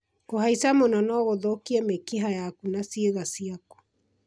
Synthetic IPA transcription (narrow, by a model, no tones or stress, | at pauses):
kohaisamonanɔɣoðokiɛmekiɦajakunasieɣasiako̥